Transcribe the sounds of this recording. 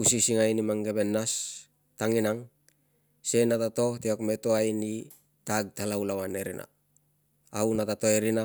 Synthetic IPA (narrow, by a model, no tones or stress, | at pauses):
usisiŋajnimaŋɡebenːas | taŋinaŋ | se̞natato̞hteakmetoajni | taɡ̚talaulawaneɾḭnʔa̰ː | wnatatoeɾina